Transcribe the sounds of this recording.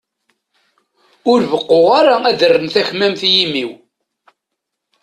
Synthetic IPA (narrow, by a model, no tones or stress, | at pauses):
ʊɾvəqːoʁaɾaæðərːənθæçmæmθjimiw